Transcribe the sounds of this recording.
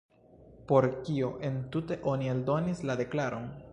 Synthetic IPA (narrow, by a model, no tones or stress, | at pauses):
po̞ɾkioʔe̞ntute̞ʔo̞nieldo̞nislade̞klaɾo̞n